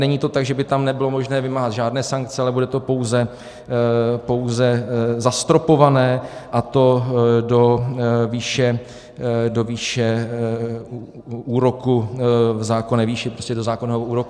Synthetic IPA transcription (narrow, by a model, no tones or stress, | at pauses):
nɛɲiːt̪o̞t̪aɡʒɛbɪt̪amnɛbɪlomo̞ʒnɛːvɪmaːɦat̪ʒaːdnɛːsaŋk̚t͡sɛalɛbudɛt̪o̞po̞wzɛ | po̞wzɛzast̪ɾo̞po̞vanɛːʔat̪o̞do̞viːʃɛ | doviːʃɛ | u | ʔuːɾo̞kuvzaːko̞nɛːviːʃɪpɾoscɛdo̞zaːkonɛːɦouːɾo̞ku